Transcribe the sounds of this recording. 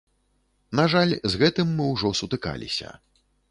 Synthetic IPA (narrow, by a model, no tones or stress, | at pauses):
naʐalʲzɣɛt̪ɨmːɨwʐɔsut̪ɨka̰lʲḭsʲɐ̰